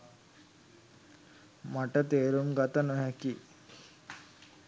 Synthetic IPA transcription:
maʈət̪eːɾumɡat̪ənoɦɛki

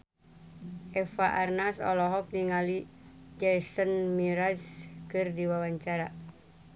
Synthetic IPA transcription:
ɛfaʔarnasɔ̰lɔɦɔk̚niŋali | d͡ʒɛsənmiɾaskɨrdiwawaɲt͡ʃaɾa

